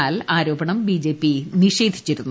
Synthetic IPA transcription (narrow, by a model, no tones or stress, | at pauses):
aːlaːɾo̞ːbɐɳɐmbid͡ʑe̞ːpːiniʂe̞ːd̪ʱi̥t͡ɕːiɾunː